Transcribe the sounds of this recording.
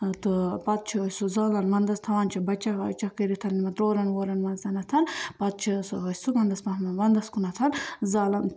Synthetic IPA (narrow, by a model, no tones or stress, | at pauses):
t̪ɨpɐt̪̚t͡ʃʰiɐsuzaːlɐnmɐnd̪ɐst̪ʰɐʋaːnt͡ʃʰibɐt͡ʃɐkɐ̰t͡ʃɐkeɾit̪ʰɐnnimɐt̪ɾoːɾɐnwoːɾɐnmɐnzɐnɐt̪ʰɐnpɐt̪̚t͡ʃʰisuɦɐsumɐnd̪ɐsmɐɦmmɐnd̪ɐskunɐt̪ʰɐnzaːlɐn